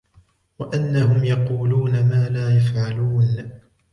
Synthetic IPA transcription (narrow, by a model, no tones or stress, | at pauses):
waʔanːaɦʊmjɑquːluːnamaːlaːjafʕaluːn